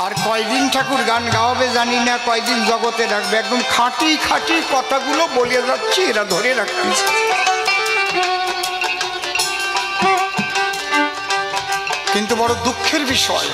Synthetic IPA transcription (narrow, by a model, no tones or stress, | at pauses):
aɾkɔeɡ̚d̪inʈʰakuɾɡanɡaoabed͡ʑaninakɔeɡ̚d̪ind͡ʑɔɡot̪eɾakʰbeɛk̚d̪oŋkʰaʈikʰaʈikɔt̪ʰaɡulobolied͡ʑatːɕʰieɾad̪ʱoɾeɾakʰt̪i | kint̪ubɔɽod̪ukʰːeɾbiʃɔe